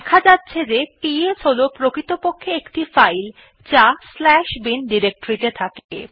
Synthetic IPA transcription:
ɛkʰad͡ʑatːɕʰed͡ʑepiet͡ɕolopɾokɾit̪opokʰːeekʈifajl | t͡ɕaslɛʃbinɖiɾek̚ʈoɾit̪et̪ʰakḛ

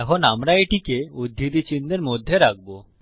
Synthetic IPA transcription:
ɛkʰonamɾaeʈikeod̪ʱːid̪it͡ɕind̪eɾmod̪ʱːeɾak̚bo

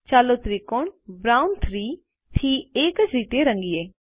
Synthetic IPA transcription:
t͡ʃaːloːt̪ʰɾiːkoɳbɾaːʊnt̪ʰɾiː | t̪ʰiːeːkət͡ʃɾiːʈ̪eːɾəŋɡieː

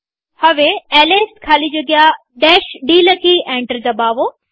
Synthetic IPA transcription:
hɐʋeɛːleːskʰaːlid͡ʑoːɡɪa | ɖɛːʃɖiːlɐkiʔɛ̃ːɳʈəɾd͡ʑaːbaːʋoː

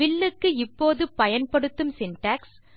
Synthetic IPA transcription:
ɪɭːɯkːɯɪpːoːðɯpɐjɐnpɐɽɯt̪ːɯmsɪnʈaːks

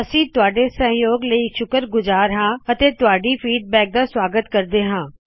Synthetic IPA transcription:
əsĩːt̪ʊaːɖeːsə̃ɦjoːɡləiːʃʊkəɾɡʊzaːɾɦãːət̪eːt̪ʊaːɖiːfʰiːɖ̚bɛːk̚d̪aːswaːɡət̪kəɾd̪eːɦãː

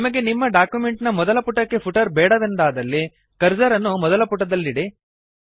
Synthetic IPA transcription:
nimɐɡe̞nimːɐɖaːkjumeɳʈnɐmɔd̪ɐlɐpuʈɐkːe̞pʰuʈɐɾbɛːɽɐʋ̪end̪aːd̪ɐlːi | kɐɾd͡ʒɐɾɐnːumɔd̪ɐlɐpuʈːɐd̪ɐlːiɽi

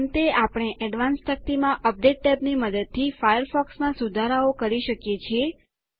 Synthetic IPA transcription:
nt̪eapɽ̃eʔɛɖʋãnst̪ʰək̚t̪imãʔəp̚ɖeʈ̚ːɛpniməd̪əd̪̚t̪ʰifajəɾfɔksmãsud̪ʱaɾaokəɾiʃəkjet͡ʃʰie

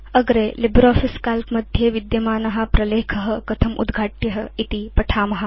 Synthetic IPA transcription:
ɐɡɾeːlibɾaːfiskaːlkmɐd̪ʱjeʋid̪jɐmaːnɐɦɐ̆pɾɐleːkʰɐɦɐ̆kɐt̪ʰɐmʔṵd̪ɡʱaːʈjɐɦɐ̆it̪ipɐʈʰaːmɐɦɐ̆

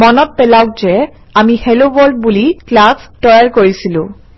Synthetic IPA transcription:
mɔnɔt̚pɛlawkzɛ | amihelobɔɹd̚buliklastɔjaɹkoɹisilʊ̰̃

